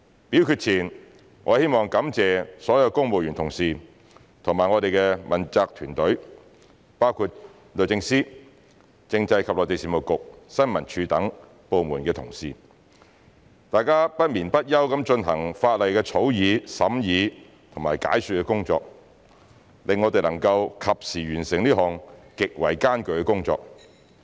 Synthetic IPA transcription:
pi˨˥wkyː˧t̚t͡sʰiː˨˩n | ŋɔː˨˧he˥jmɔː˨ŋkɐ˨˧˥mt͡sɛː˨sɔː˨˥jɐ˧wkʊ˥ŋmo˨wjyː˨˩nt̪ʰʊ˨˩ŋsiː˨ | t̪ʰʊ˨˩ŋmaː˨˩ŋɔː˨˧d̪e˨jkɛ˧mɐ˨˩nt͡saː˧k̚t̪ʰyː˨˩nt̪ɵ˨˥ɥ | paː˥wkʰu˧t̚ | lɵ˨˩t͡sɪ˧ŋsiː˥ | t͡sɪ˧ŋt͡sɐ˧jkʰɐ˨p̚lɔː˨˩t̪e˨˩siː˨mo˨˩kʊ˨k̚sɐ˥nmɐ˨˩nt͡ʃʰyː˨˧t̪ɐ˨˥ŋ | po˨wmuː˨˩nkɛː˧t̪ʰʊ̰˨˩ŋsiː˨ | t̪aː˨jkaː˥pɐ˥t̚miː˨˩npɐ˥t̚jɐ˥wkɐ˨˥mt͡ʃɵ˧nɦɐ˨˩ŋfaː˧t̚lɐ˨jkɛː˧t͡sʰo˨˥wjiː˨˧sɐ˨˥mjiː˨˧ | t̪ʰʊ˨˩ŋmaː˨˩jka̰ː˨˥jsy˨kɛ˧kʊ˥ŋt͡sɔ̰ː˧k̚ | lɪ˨ŋːɔː˨˧t̪e˨jlɐ˨˩ŋkɐ˧wkʰɐ˨p̚siː˨˩ɥyː˨˩nsɪ˨˩ŋliː˥ɦɔː˨˩ŋkɪ˨k̚wɐ˨˩jkaː˥nkɵ˨˧ɥkɛ˧kʊ˥ŋt͡sɔ̰ː˧k̚

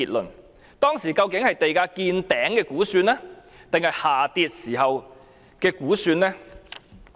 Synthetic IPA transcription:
iː˨t̚lɵ˨n | t̪ɔː˥ŋsiː˨˩kɐ˧wkɪ˨˥ŋhɐ˨jt̪e˨jkaː˧kiː˧nt̪ɛː˨˥ŋkɛː˧kuː˨˥syː˧nlɛː˥ | t̪ɪ˨ŋhɐ˨jhaː˨˩t̪iː˧t̚siː˨˩hɐ˨w | kɛː˧kuː˨˥syː˧nlɛː˥

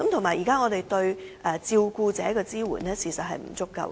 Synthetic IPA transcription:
kɐ˨˥mt̪ʰo˨˩maː˨˩jiː˨˩kaː˥ŋɔː˨˧t̪e˨jt̪ɵ˧ɥʔɛː˧t͡siː˧wkuː˧t͡sɛː˨˥kɔː˧t͡siː˥wṵ˨˩nɛː˥siː˨˩sɐ˨t̚ɦɐ˨jm̩̰˨˩t͡sʊ˥kːɐ̰˧w

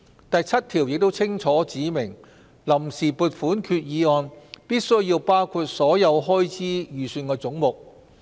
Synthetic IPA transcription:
t̪ɐ˨jt͡sʰɐ˥t̚t̪ʰiː˨˩wjɪ˨k̚t̪o˥wt͡sʰɪ˥ŋt͡ʃʰɔː˨˥t͡siː˨˥mɪ˨˩ŋ | lɐ˨˩msiː˨˩puː˨˧t̚fuː˨˥nkʰyː˧t̚jiː˨˧ɔː˧npiː˥t̚sɵ˥ɥjjiː˧wpaː˥wkʰuː˧t̚sɔː˨˥jɐ˨˧wɦɔː˥jt͡siː˥jyː˨˩syː˧nkɔː˧t͡sʊ˨˥ŋmʊ˨k̚

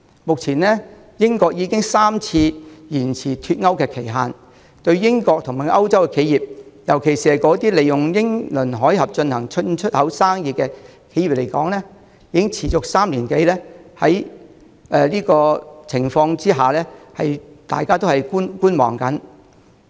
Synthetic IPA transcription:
mʊ˨k̚t͡sʰiː˨˩nlɛː˥ | jɪ˥ŋkɔː˧k̚jiː˨˧kɪ˥ŋsaː˥mt͡sʰiː˧jiː˨˩nt͡sʰiː˨t̪ʰy˧t̚ŋɐ˥wkɛː˧kʰe˨˩jɦaː˨n | t̪ɵ˧ɥjɪ˥ŋkɔː˧k̚t̪ʰŋmaː˨˩ʔɐ˥wt͡sɐ˥wkɛ˧kʰe˨˥jiː˨p̚jɐ˨˩wkʰe˨˩jsiː˨˩hɐ˨jkɔː˨˥t̪iː˥le˨jʊ˨˩ŋjɪ˥ŋlɵ˨˩nɦɔː˨˥jhɐ˨p̚t͡ʃɵ˧nhɐ˨˩ŋt͡ʃʰɵ˥nt͡ʃʰɵ˥t̚hɐ˨˥wsaː˥ŋjiː˨t̚kɛː˧kʰe˨˥ji˨p̚le˨˩jkɔː˨˥ŋlɛ˥ | jiː˧˥kɪ˥ŋt͡sʰiː˨˩t͡sʊ˨k̚saː˥mliː˨˩nke˨˥jlɛː˥hɐ˨˥j | ʔɛː˧liː˥kɔː˧t͡sʰɪ˨˩ŋfɔː˧ŋt͡siː˥ɦaː˨˩lɛː˥hɐ˨jt̪a̰ː˨jkaː˥t̪o˥whɐ˨jkuː˥nkuː˥nwɔ̰ː˨˩ŋkɐ˨˥n

